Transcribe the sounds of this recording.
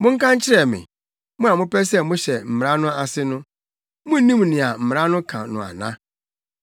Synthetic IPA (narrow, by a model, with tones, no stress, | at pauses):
mʊ̃˦ŋ̩˦kʰã˦ɲ˦t͡ɕʰɪ˦ɾɛ˨mɪ̰̃˨ | mʊ̃˦a˨mʊ̃˦pɛ˦sɛ˦mʊ̃˦ɕɛ˨m̩˨m˨ɾa˦nʊ̃˦a˨sɪ˦nʊ̃˦ | mʊ̃˦nĩ˦m˨nɪ̃˨a˨m̩˨m˨ɾa˦nʊ̃˦kʰã̰˨nʊ̰̃˨a̰˨nã̰˦